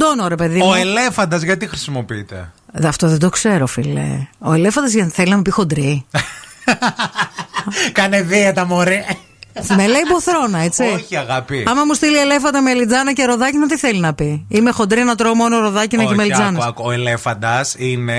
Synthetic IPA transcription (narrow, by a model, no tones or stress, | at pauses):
d̪onoɾe̞pe̞ðimoele̞fɐnd̪ɐzʝɐt̪ixɾisimo̞piit̪e̞̰ðɐft̪o̞ðed̪okse̞ɾofilḛo̞ele̞fɐnd̪ɐzʝɐθe̞linɐmupixo̞nd̪ɾi | kɐneðiet̪ɐmoɾi | meleiboθɾo̞nɐet͡siiɐɣɐpiɐmɐmust̪iliele̞fɐnd̪ɐmeɐlid͡zɐnɐceɾoðɐcinɐt̪iθe̞linɐpiime̞xo̞nd̪ɾienɐt̪ɾomonoɾoðɐcineçimelid͡zɐnɐsoelefɐnd̪ɐsine̞